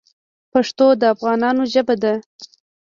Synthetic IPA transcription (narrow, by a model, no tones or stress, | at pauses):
paʂt̪od̪əafɣɑnɑnoʒəbad̪a